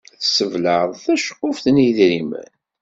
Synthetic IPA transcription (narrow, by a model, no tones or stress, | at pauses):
θsəvləðˤθæʃə̥qːʊfθniðɾimə̰n